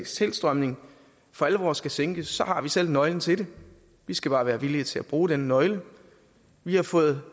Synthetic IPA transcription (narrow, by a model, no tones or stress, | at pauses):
st͡sʰe̝l̰sd̥ʁɶmne̝ŋ | fɒ̽æləʋɒːsɡ̥æseŋɡ̥əːɒ̽hɑ̈ʋisel̰nɒ̽ɪln̩t͡sʰe̝ɾe̝ | ʋisɡ̥æb̥ɑ̈ːʋæːɐʋiliɐt͡sʰe̝læb̥ʁuːɾ̥enənɒ̽ɪlə | ʋihɑ̈fɔ̽ːð̞̩ˠ